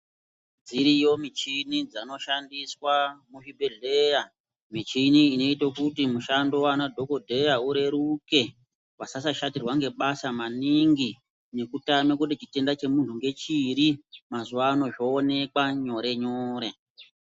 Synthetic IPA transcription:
d͡ziɾijo̞mit͡ʃinid͡zano̞ʃandiswamuʐibʱe̞ɮeja | mit͡ʃiniːno̞itokutimuʃando̞wanadʱo̞ko̞dʱe̞jauɾe̞ɾuke̞ | wasasaʃatirwaŋɡe̞ɓasamaniŋɡi | ne̞kutamekutit͡ʃite̞ndat͡ʃe̞muntuŋɡe̞t͡ʃiɾimazuʋaːno̞ʐo̞ːne̞kwaɲo̞ɾe̞ɲoːɾe̞

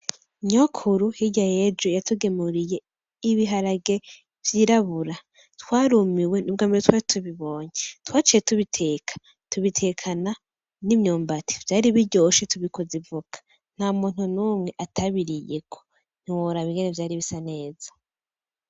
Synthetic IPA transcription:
ɲokʰuɾuhiɟajed͡ʒojatʰuɡe̞muɾije̞ | iβiɦaɾaɡe̞ | v̥jiːɾaβuɾa | twaːɾumiwenubɡaːmbiɾetwaːɾitʰuβiβo̞ːɲetwaːt͡ʃijetuβitʰe̞ːkʰḁ | tuβitʰe̞kʰana | nimɲoːmbati̥vjaːɾiβiɾɟo̞ːʃetuβikozivukḁ | n̥hamuːn̥unuːmŋe̞ʔatʰaβiɾijekʰo̥ | n̥iwoɾaβiŋɡenevjaːɾiβisane̞ːz̥ḁ

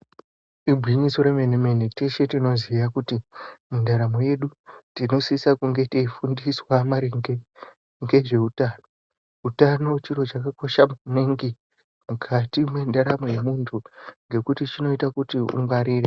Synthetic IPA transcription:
ibʱwiɲiso̞ɾemeneme̞neteʃe̞tino̞zijakutimundaɾamoje̞ɗutino̞sisakuŋɡe̞teifundiswamaɾiŋe | ŋɡe̞ʐe̞utaːno | utano̞t͡ʃiro̞t͡ʃakako̞ʃamuneŋɡi | mukʰatimwendaɾamoje̞muntʰuŋɡe̞kutit͡ʃino̞itakutiṵŋɡwaɾiːre

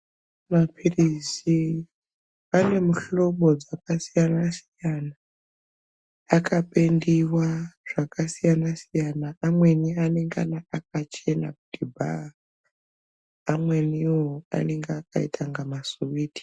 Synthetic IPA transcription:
mapʰirizi | ane̞muɬo̞ɓo̞d͡zakasijanasijana | kʰapendiwaʐ̥akasijanasijanaːmwe̞nianeŋɡa̰naak̚at͡ʃe̞na̰kutibʱa̰a | amwe̞niwoa̰neŋɡeakaitʰaŋɡamasuwiːti̥

